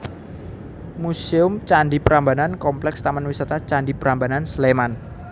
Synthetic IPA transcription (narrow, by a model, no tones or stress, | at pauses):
museʊmt͡ʃaɳɖipəɾambanankɔmplɛkst̪amanwisat̪at͡ʃaɳɖipəɾambanansleman